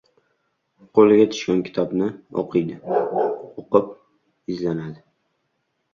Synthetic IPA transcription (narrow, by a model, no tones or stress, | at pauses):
qʰolɪɡʲat̪ʰʊ̥ʃkʲankʲʰɪ̥t̪ʰɒbnɪɒ̰qʰɨjd̪ɪ | oqɨp̚ | ɪzlanad̪ɪ